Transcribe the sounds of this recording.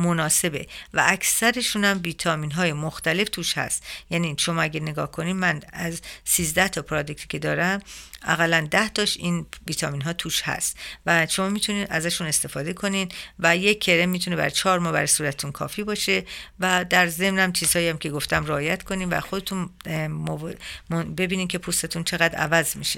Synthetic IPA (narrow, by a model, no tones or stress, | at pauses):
monɒːse̞be̞̰væ̰ːkʰsæɾeʃunæmviːt̪ʰɒːmiːnɦɒːje̞moxt̪æle̞ft̪ʰuːʃhæ̰st̪jæniʃo̞mɒːæɟæɾne̞ɡɒ̰ːhkʰo̞niːmænæzsiːzd̪æht̪ʰɒpʰɾɒːd̪e̞k̚t̪ʰicʰed̪ɒːɾæmʔæ̰ɣælænd̪æht̪ʰɒʃinviːt̪ʰɒmiːnɦɒːt̪ʰuːʃhæ̰st̪væʃomɒːmiːt̪ʰuniːd̪æzæʃune̞st̪e̞fɒːd̪e̞kʰo̞nid̪væjeːe̞ɾemːiːt̪ʰune̞bæ̰ɾt͡ʃʰɒːɾmɒːbæɾsuːɾæt̪ʰe̥t̪ʰunkʰɒ̰ːfiːbɒːʃe̞væd̪æɾze̞mnæmt͡ʃʰiːz̥hɒːiæmcʰe̞ɡo̞ft̪æmɾeɒːjæt̪kʰo̞niːmvæ̰xod̪e̞t̪ʰunmombe̞biːniːmcʰe̞pʰust̪et̪ʰunt͡ʃʰe̞ɣæd̪ɾæ̰væzmiʃe